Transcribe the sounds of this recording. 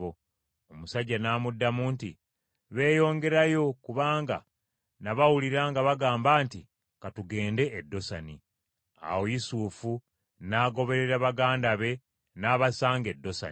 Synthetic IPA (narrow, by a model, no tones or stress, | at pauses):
o | omusaɟːanaːmudːamuːnti | βe̞ːjo̞ːŋɡe̞ɾajo̞kuβaːŋɡa̰ | naβawuliɾaːŋɡaβaɡaːmbaːnti | katuɡe̞ːnde̞ʔːdːo̞sani | a̰wojisuːfu | naːɡo̞βe̞ɾe̞ɾaβaɡaːndaβe̞ | naːβasaːŋɡe̞dːo̞sa̰n